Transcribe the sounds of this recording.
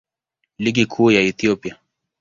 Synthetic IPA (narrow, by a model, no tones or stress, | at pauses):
liɡikʰuːjaɛθiɔpia